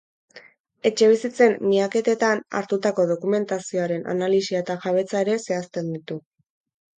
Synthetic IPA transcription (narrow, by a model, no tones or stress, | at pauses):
e̞t͡ʃe̞β̞isit͡se̞mːiake̞t̪e̞t̪ana̰ɾt̪ut̪ako̞ð̞o̞kume̞nt̪asio̞aɾe̞nʔa̰nalisiaet̪aʝaβ̞e̞t͡sae̞ɾe̞se̞ast̪e̞nd̪it̪u